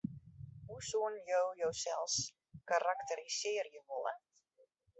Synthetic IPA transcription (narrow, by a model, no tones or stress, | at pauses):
ɦusuənjowjowsɛlˠs | kaɾaktəɾisɪərjəʋɔlˠə̰